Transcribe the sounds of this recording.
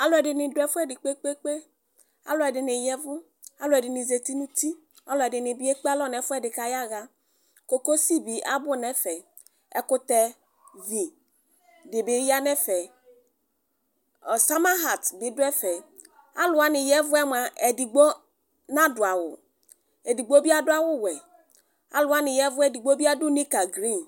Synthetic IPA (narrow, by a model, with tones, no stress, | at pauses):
a˦lʊ˦ɛ˨dɪ˨nɪ̃˨dʊ˨˦ɛ˦fʊ˦ɛ˦dɪ˨k͡pe˦k͡pe˦k͡pe˦ | a̰˦lʊ˨ɛ˨dɪ˨nɪ˨jɛ˦vʊ˦ | a˦lʊ˦ɛ˨dɪ˨nɪ˨ze˨t̪i˦nũ˦t̪i˦ | a˦lʊ˨ɛ˨dɪ˨nɪ˨bi˦ɛ˦k͡pa˦lɔ˦˨nɛ˨fʊ˦ɛ˦dɪ˨ka˨ja˦ɣa˦ | ko˨ko˦si˦bi˨ʔa˦bʊ˦nɛ˦fɛ˨ | ɛ̰˨kʊ˦t̪ɛ˨ | vi˨ | dɪ˨bɪ˨˦ja˦nɛ˦fɛ˨ | sa˦ma˦ɦa˨tbɪ˨dʊ˦ɛ˦fɛ˨ | a̰˦lʊ˨a˦nɪ˨jɛ˦vʊ˦ɛ˦m˨a˨ʔɛ˨di˨ɡ͡bo˦ | na˦dʊ˨a˨wʊ̰˨ | e˨di˨ɡ͡bo˦bi˦a˦dʊ˦a˦wʊ˦wɛ˨ | a̰˦lʊ˨a˦nɪ˨jɛ˦vʊ˦ɛ˦di˨ɡ͡bo˦bi˦a˦dʊ˦ni˦ka˨ɡɾi˦˨n